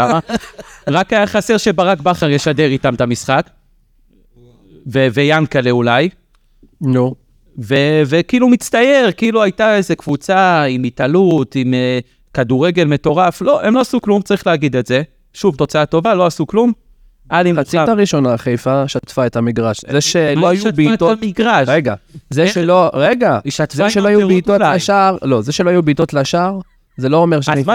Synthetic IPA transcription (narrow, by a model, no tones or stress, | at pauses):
aaʁakajaχase̞ʁʃe̞baʁakbaχaʁjeʃade̞ʁitamt̪amisχak | veve̞jankaleulaj | nu | veve̞kiilumit͡st̪aje̞ʁkiiluajtae̞ze̞kvut͡saimitalutime | kad̪uʁe̞ɡe̞lme̞t̪o̞ʁaflo̞ʔemlo̞asuklumt͡saʁiχleaɡid̪etze̞ | ʃuvt̪o̞t͡saato̞valo̞asuklum | ʔalimaataʁiʃo̞naχejfaʃat̪faetamiɡʁaʃzeʃeloajuatbiatamiɡʁaʃeɡazeʃeloʁeɡaʃat̪veʃeloajueitoʃaʁlo̞zeʃeloajubiit̪o̞t̪laʃaʁ | zelo̞omeʁʃ